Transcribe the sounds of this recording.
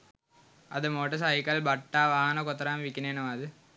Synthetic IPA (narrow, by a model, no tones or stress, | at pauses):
ɐðɯmoːʈɐs̬ɐjɪkːɐlbɐʈːaːʋaːɦɐnɐkɔt̪ːɐɾaːmʋikːineːnɐmaːðɯ